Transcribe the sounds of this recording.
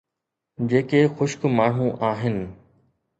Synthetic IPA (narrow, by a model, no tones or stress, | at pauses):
d͡ʑeːkexʊʃkmaːɳ̤ũʔaːɦɪnɪ̆